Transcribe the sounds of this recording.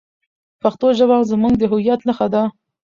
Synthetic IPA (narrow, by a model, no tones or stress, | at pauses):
paxt̪oʒabɑzmuŋɡd̪əɦʊjat̪naxad̪a